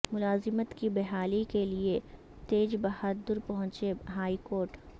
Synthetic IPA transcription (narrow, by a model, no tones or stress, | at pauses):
mʊlaːzɪmət̪kibɛɦaːlikelie | t̪eːd͡ʒbɐhad̪ʊɾpɐɦʊ̃t͡ʃeɦaːikoːɾʈ